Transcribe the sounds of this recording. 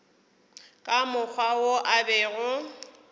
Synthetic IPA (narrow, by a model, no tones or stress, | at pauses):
kʼamʊk͡xʰwawoʔabɛːɣʊ